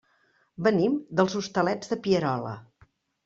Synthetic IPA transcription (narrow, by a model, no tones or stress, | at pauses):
bənimd̪əlˠzust̪əlɛd͡zðəpiəɾɔlə̰